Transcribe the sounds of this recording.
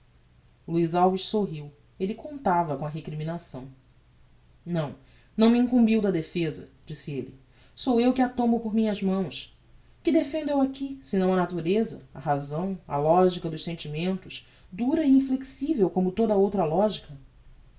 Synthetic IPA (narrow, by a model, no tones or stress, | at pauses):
luizawviʃsoɦiw | elikõnt̪avɐkõɐɦekɾiminasɐ̃w̃ | nɐ̃w̃ | nɐ̃w̃miĩŋkũmbiwd̪ɐd̪efezɐ̰d͡ʒisieli | sowewkɪat̪õmbʊpoɾmĩɲɐzmɐ̃w̃ʃ | kɪd̪efẽnd̪uewakisɪnɐ̃w̃ɐnat̪uɾezɐ̰ɐ̰ɦazɐ̃w̃ɐ̰lɔʒikɐd̪ʊʃsẽnt͡ʃimẽnt̪ʊʃ | d̪uɾɐiĩfleksivewkõmʊt̪od̪ɐowt̪ɾɐlɔʒikɐ